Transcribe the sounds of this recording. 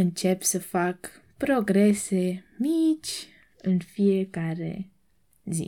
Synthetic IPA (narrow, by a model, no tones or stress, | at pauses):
ɨnt͡ʃe̞psəfak | pɾo̞ɡɾe̞se̞mit͡ʃʲ | ɨnfijekaɾe̞̰ | zḭ